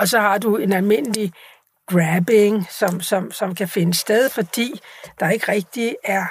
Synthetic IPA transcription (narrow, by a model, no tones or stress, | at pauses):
ɒ̽sɒ̽hɑ̈d̥ue̝nælme̝n̰əli | ɡ̥ʁæb̥e̝ŋsɒ̽msɒ̽msɒ̽mkʰæfe̝nəsd̥eð̞ˠfɒ̽d̥ḭːd̥ɑ̈e̝ɡ̥əʁɛɡ̥̚d̥iæɐ